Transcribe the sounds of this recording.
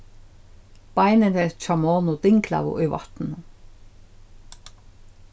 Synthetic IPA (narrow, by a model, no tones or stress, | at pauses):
b̥ɑɪnənət͡ʃɑmoːnʊd̪̥ɪŋkʰlɑ̰ʋʊ̰ʔiːʋɑ̰t̪n̩